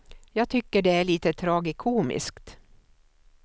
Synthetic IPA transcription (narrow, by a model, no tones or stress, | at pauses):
jɑːɡ̚t̪ʰʏkːəɖɛæɭiːt̪ət̪ʰɾɑːɡɪkʰuːmɪ̰skt̪